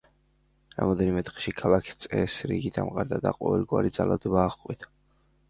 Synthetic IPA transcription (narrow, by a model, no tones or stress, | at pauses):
ɾa̰mɔd̪ɛnimɛt̪ʼχɛ̥ʃikʰalˠakʰi̥st̪sʼɛsɾḭɡid̪amqʼaɾd̪ad̪aqʼɔvɛlˠɡwaɾid̪zalˠad̪ɔbaːʁkʼwit̪ʰḁ